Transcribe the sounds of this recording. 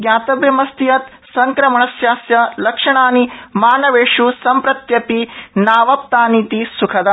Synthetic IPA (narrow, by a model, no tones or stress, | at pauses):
ɡjaːt̪ɐʋjɐmɐst̪ijɐt̪ | sɐŋkɾɐmɐɳɐsjaːsjɐlɐkʂɐɳaːnimaːnɐʋeːʂusɐmpɾɐt̪jɐpinaːʋɐp̚t̪aːnit̪isukʰɐd̪ɐ